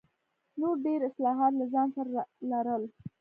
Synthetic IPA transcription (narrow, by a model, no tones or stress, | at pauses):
noɾɖeɾɪslɑɦɑt̪̬lazɑnsaɾalaɾəl